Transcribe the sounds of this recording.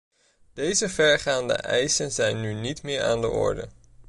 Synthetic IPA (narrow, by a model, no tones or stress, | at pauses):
d̥ejzəvɛɹχaːndə̰ʔɛjsənzɛjnːynitmɪːɹa̰ːndə̰ʔɔ̰ɹdə̰